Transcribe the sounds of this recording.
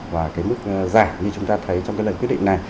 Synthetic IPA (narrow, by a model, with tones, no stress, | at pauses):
vaː˨˩kaː˨˦jmɨ˦˥k̚zaː˧˩jɲɨ˧t͡ɕʊ˨˦ŋ͡mt̪aː˧t̪ʰə˨˦jt͡ɕɔ˧ŋ͡mkaː˨˦lə˨˩nkwtɗḭ˧˨ŋ̟na˨˩j